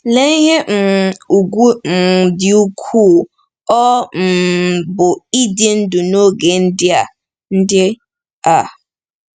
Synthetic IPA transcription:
le˦ɦe˦m̩˨u˨ɡu˦m̩˨dɪ˨u˦kʰuː˦˨ | ɔ˦m̩˨bʊ˨i˦dje˦n̩˦dʊ˨no˦˨ɡe˨n̩˦dɪ˦a˨ | n̩˦de˦ | a˨

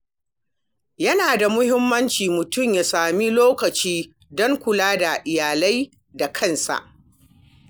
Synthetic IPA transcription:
jɐ˦naː˨da˨mʊ˦hɪ˦mːɐ˦nt͡ʃiː˨mʊ˨tʊ˦˨mjaː˨saː˨mi˦loː˦kɐ˨t͡ʃiː˦ | dɔ˦ŋkʷʊ˨laː˦da˨ʔɪ˨jaː˨la˦j | da˨kʰɐ˦˨nsa̰˨ʔ

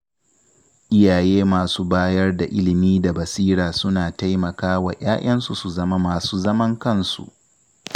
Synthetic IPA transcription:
ʔɪ˦jaː˨jeː˦maː˨suː˦baː˦jɐ˦rda˨ʔɪ˦lɪ˨miː˦da˨bɐ˨siː˦ɽaː˨sʊ˦naː˨ta˦jmɐ˨kaː˦wa̰˨j̰aː˦j̰ɐ˦nsu˨su˨zɐ˦ma˦maː˨suː˦zɐ˦mɐ˦ŋkɐ˦˨nsṵ˨ʔ

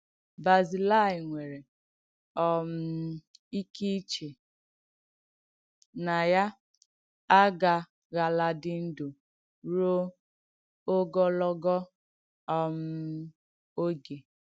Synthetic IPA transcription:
ba˨zi˨la˦˨ɪ˨ŋʷe˨ɾe˨ | ɔ˦m̩˦i˦ki˦t͡ʃe˨ | na˨ja˦ | a˦ɡa˨ | ɣa˨la˨dɪ˦n̩˦do˨ | ɾo˦ | o˦ɡɔ˦lɔ˦ɡɔ˦ | ɔ˦m̩˦ | o˦ɡe˨

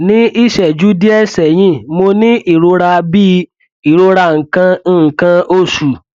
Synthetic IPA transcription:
nĩ˦ʔi˦˨ʃɛ˨d͡ʒu˦di˦ɛ˦˨sɛ˨jĩ˦mo˧nĩ˦ʔi˦˨ɾo˧ɾa˧bi˦ | i˨ɾo˧ɾa˧˨ŋ̩˨kã˧˦˨kã˧o˦˨su˨

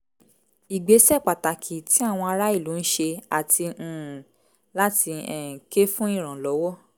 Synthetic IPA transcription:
i˨ɡ͡be˨˦sɛ˦˨k͡pa˨ta˨kʰi˨ti˨˦a˦˨w̃ɔ̃˧a˧ɾa˦i˦˨lu˨˦n̩˦ʃe˧a˨tʰĩ˧˦˨ | la˦ti˧ɛ˦˨ke˦fũ˦ĩ˦˨ɾ̃ã˨lɔ˨˦wɔ˦

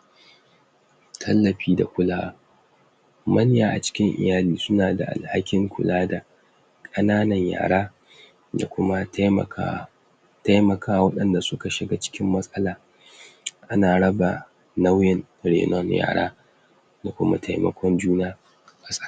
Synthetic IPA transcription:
tʰɐ˦lːɐ˨ɸiː˦da̰˨kʷʊ˦laː˦wa̰˦ | mɐ˦n˦jaː˨ʔa̰˨t͡ʃɪ̥˦kʲɪ˦ŋʔɪ̰˨jaː˦liː˨sʊ˦naː˨da̰˨ʔa̰˨lha˦kʲɪ˦ŋkʷʊ̰˨laː˦da˨ | kʼɐ˦naː˦nɐ˨ɲja̰ː˨ɽaː˦ | da˨kʷʊ˦ma˦˨a˦ | ta˦jmɐ˨kʰaː˦wwɐ˦ɗɐ˨nda˨sʊ˦ka˨ʃɪ˨ɡa˦t͡ʃɪ̥˦kʲɪ˦mːɐ˦sʼɐ˦laː˨ | ʔa˦naː˨ɽɐ˦ba˨ | na˦wjɛ˦n | ɽḛː˨nɔ˦nja̰ː˨ɽa̰ː˦ | da˨kʷʊ˦ma̰˦tʰa˨jmɐ̰˦kʷɔ˦nd͡ʒuː˦naː˦ | ka˨sʼḁ˨˦˨

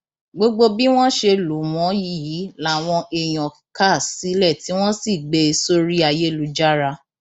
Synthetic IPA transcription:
ɡ͡bo˧ɡ͡bo˧bi˦w̃ɔ̃˦ʃe˧lu˨˦mɔ̃˨˦ji˦ji˨˦la˨˦˨w̃ɔ̃˧ʔe˨j̃ɔ̃˨ | ka˦˨si˨˦lɛ˦˨ti˨˦w̃ɔ̃˦si˦˨ɡ͡be˧so˦ɾi˦a˧je˦lu˨˦d͡ʒa˦ɾa˧

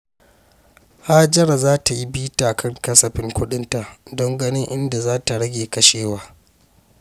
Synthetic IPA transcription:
haː˦d͡ʒɐ˦ɾa˨zaː˦ta˨ji˦biː˦taː˨kʰɐ˦˨ŋkɐ˦sɐ˨ɸɪ˦ŋkʷʊ˦ɗɪ˦nta˨ʔdɔ˦ŋɡɐ˦nɪ˦ŋʔɪ˦nda˨zaː˦ta˨ɽɐ˦ɡʲeː˨kɐ˦ʃeː˦˨waː˦

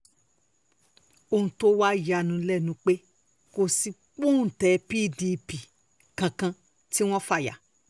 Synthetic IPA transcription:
o˧˨hũ˧to˦wa˦˨ja˧˨nũ˧˦lɛ˦˨nũ˨˦k͡pe˦ | ko˧si˧ | k͡pũ˦˨tɛ˨˦pi˦˨di˧pi˨ | kã˧kã˧ | ti˦w̃ɔ̃˦fa˦˨ja̰˨

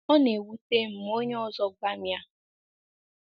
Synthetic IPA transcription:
ɔ˦ne˨wu˦te˦m̩˨mo˦ɲe˦ɔ˦zɔ˦ɡ͡ba˦mja˦

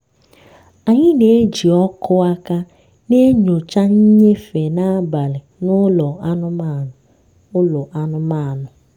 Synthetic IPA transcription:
a˨ɲɪ˦ne˨˦d͡ʒi˨ɔ˦kʰʊ˦a˦ka˦ | ne˦ɲo˨t͡ʃa˦ɲ̩˦ɲe˦fe˨na˦a˦ba˨lɪ˨nʊ˦lɔ˨a˦nʊ˦ma˦˨ | ʊ˦lɔ˨ʔa˦nʊ˦ma˦˨nʊ˨

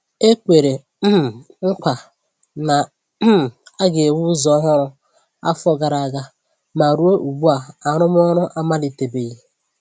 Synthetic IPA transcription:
e˦kʷe˨ɾe˨ | m̩˦m˨ŋ̩˦kʷa˨ | na˨˦˨ | a˦ɡe˨wu˦zɔ˦ɦʊ˦ɾʊ˦ | a̰˦fɔ˦ɡa˨ɾa˨a˨ɡa˦ | ma˨ɾu˦o˦ʔu˨ɡ͡bu˦a˨a˨ɾʊ˦m˦ɔ˦ɾʊ˦ʔa˦ma˦li˨te˨be˨ɣi˨

